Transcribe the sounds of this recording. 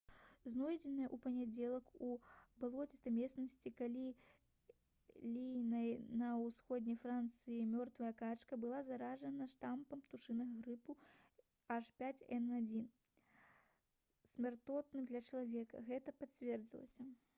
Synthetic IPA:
znɔjd͡zʲɛnɨjɐʔupɐnʲad͡zʲɛlˠɐkubɨlˠɔt͡sʲɛst̪amʲɛsnɐsʲt͡sʲikalʲi | lʲijnɐjnɐwsxɔd̪ʲnʲɐjfɾant̪sɨjimʲɔrt̪vɐjɐkat͡ʂkɐbɨlˠazaɾaʐɐnɐʂt̪ampɐmpt̪uʂɨnɐɣɐɣɾɨpu | aʂpʲat͡sʲɛnad͡zʲin | sʲmʲart̪ɔt̪nɨmd̪lʲɐt͡ʂɐlˠavʲɛkɐ̰ɣɛt̪ɐpat͡sʲvʲɛrd͡zʲilˠɐ̰sʲɐ

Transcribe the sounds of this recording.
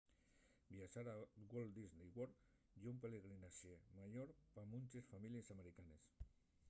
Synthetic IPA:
biaʃaɾaɣold̪iznejwoɾ | jaumpeleɣɾinaʃemaʎoɾpamunt̪esfamiliesameɾikanes

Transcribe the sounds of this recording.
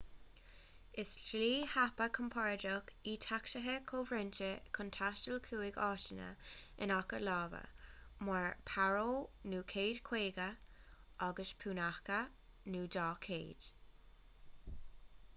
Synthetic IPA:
ɪsʃliːhapəkʰəmpʰaɹdɔkiːtʰakʃəɦəkʰoːvɾɪnt͡ʃəkʰɔntʰaʃtəlkʰuːɪɡɑːʃənə̰ɪ̰nakəlɑːvə̰maɹpʰaɹoːnuːkʰeːdkʰw̥eːɡəʔaɡəʃpʰuːnaxkə | nuːdɑːkʰeːd̥

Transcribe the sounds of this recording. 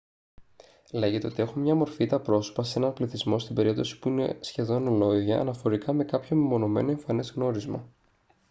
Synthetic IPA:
le̞ʝet̪eot̪ie̞xomɲɐmo̞ɾfit̪ɐpɾo̞so̥pɐse̞nɐnpliθizmo̞st̪ibe̞ɾip̚t̪o̞si̥puine̞̰sçe̞ðo̞nlo̞ʝɐ̰ːnɐfo̞ɾikɐme̞kɐpço̞mimo̞no̞me̞̰noe̞ɱfɐnezɣno̞ɾizmɐ̰

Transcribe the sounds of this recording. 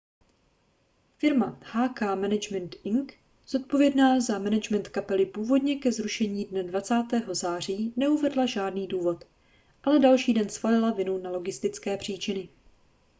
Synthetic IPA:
fɪɾmahaːkaːmɛnɛd͡ʒmɛnt̪ʔɪŋk | z̥o̞t̪̚po̞vjɛdnaːzamɛnɛd͡ʒmɛnt̪kapɛlɪpuːvo̞dɲɛkɛzɾuʃɛɲiːdnɛdvat͡saːt̪ɛːɦo̞zaːr̝iːnɛuvɛdlaʒaːdniːduːvo̞t̪ | ʔalɛdalʃiːdɛnsfalɪlavɪnunalo̞ɡɪst̪ɪt͡skɛːpr̝̥iːt͡ʃɪnɪ

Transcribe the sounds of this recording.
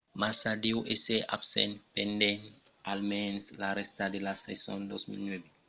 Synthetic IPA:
masadiwʔeseʔa̰psɛ̰npɛndɛn | almɛnslaɾɛstadilasɛ̰sɔndosmḭlnwebɛ

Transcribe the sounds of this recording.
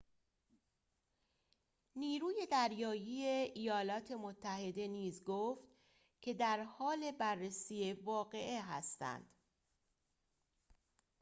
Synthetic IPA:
niːɾuːje̞d̪æɾjɒːjijeijɒːlɒːt̪ʰe̞mot̪ʰːæhe̞d̪e̞niːzɡoːft̪ | cʰe̞d̪æɾhɒːle̞bærːesiːe̞vɒːɣe̞ʔeɦæ̰st̪æ̰nd̪̥

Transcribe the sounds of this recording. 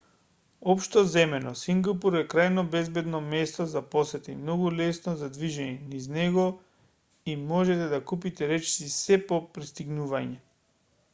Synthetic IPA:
ɔpʃt̪ɔzɛmɛnɔsiŋɡapuɾɛkɾajnobɛzbɛd̪nɔmɛst̪ɔzaposɛt̪ɛimnɔɡulɛsnozad̪viʒɛɲɛniznɛɡɔ | imɔʒɛt̪ɛd̪akupit̪ɛɾɛt͡ʃsisɛpopɾist̪iɡnuvaɲɛ

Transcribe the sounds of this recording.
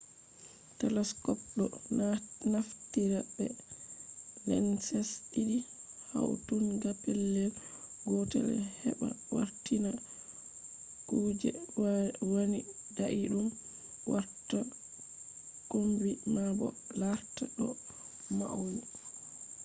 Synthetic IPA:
tɛlɛskɔp̚ɗɔ̰ | naftiɾabɛ | lɛ̰nsɛsiɗiha̰wtunɡapɛlːɛlɡɔtɛ̰ɾɛ̰hɛɓa̰wa̰ɾtina | kud͡ʒɛ̰wwonidaʔiɗum | waɾta | kombimabɔ̰laɾtaɗɔ | ma̰uwu

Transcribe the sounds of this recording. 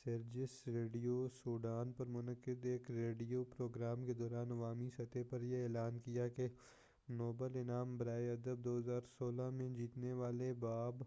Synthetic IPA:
sɐɾd͡ʒɪsɾeːɖijosuːɖaːnpɐɾmʊnəkɪd̪eːkɾeːɖijoːpɾoːɡɾaːmked̪ɔːɾaːnɐʋaːmisɐt̪epɐɾjeɛːlaːnkijake | noːbəlɪnaːmbɐɾaːeɐd̪əb̚d̪oːɦɐzaːɾsoːlamẽd͡ʒiːt̪neʋaːlebaːb

